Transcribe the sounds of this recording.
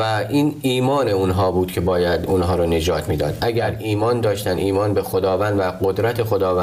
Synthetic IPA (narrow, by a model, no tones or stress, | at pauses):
æʔiːniːmɒːneunɦɒːbuːd̪cʰe̞bɒːjæd̪unɦɒːɾone̞d͡ʒɒːt̪ʰmiːd̪ɒ̰ːd̪ʔæɟæɾiːmɒːnd̪ɒːʃt̪æniːmɒːnbexod̪ɒːvænd̪væɢod̪ɾæt̪ʰexo̞d̪ɒːvæ